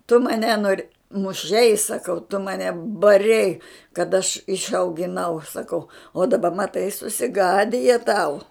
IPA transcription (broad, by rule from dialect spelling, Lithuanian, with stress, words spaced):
tʊ mɐˈnʲɛ noːrʲ mʊˈʃʲɛɪ sɐˈkɐʊ tʊ mɐˈnʲɛ bɐˈrʲɛɪ kɐt ɐʃ ɪʃɐʊɡʲɪˈnɐʊ sɐˈkɐʊ oː dɐˈbɐ mɐˈtɐɪ sʊsʲɪˈɡɑːdʲɪjɛ tɐʊ